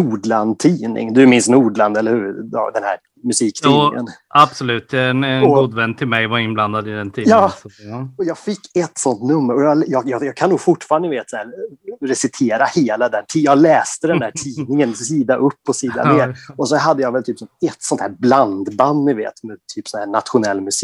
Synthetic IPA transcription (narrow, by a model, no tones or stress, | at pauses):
nuːɖland̪̚t̪ʰiːnɪ̰ŋd̪ɵmɪnsnuːɖɭand̪ɛlːəɾhʉ̰ːɾ̰d̪ɛnhæ̰ɾ | mɵsiːkt̪ʰːnːɪŋə̰nab̥sɔlʉ̟ːt̪ɛnɔɡuːd̪vɛnːt̪ʰɪlmɛjvaɾɪnbland̪ad̪ɪd̪ɛnt̪ʰiːjɑː | ɔjɑːɡfɪkːɛt̪ːsɔnt̪nɵmːəɾɔjɑljɑːjɑjɑːɡkʰanːuːɡfʊʈːfɑːɾand̪əjɪveːt̪sæːɾɾɛsɪt̪ʰeːɾaheːlad̪ɛnt̪ʰijɑːɡlɛːst̪əd̪ɛnd̪æːʈʰiːnɪŋənsiːd̪aʔɵpːɔsiːd̪a̰neːɾɔsɔɦad̪ːəjɑːɡvɛlt̪ʰyːpsɔmɛt̪ːsɔnt̪ʰhæːɾbland̪band̪nɪvḛːt̪mɛt̪ʰyːpːsɔnhæːɳat̪ɧʊnɛlːmɵs